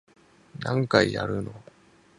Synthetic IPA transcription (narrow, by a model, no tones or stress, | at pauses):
nãŋkaija̰ɾɯ̟no̰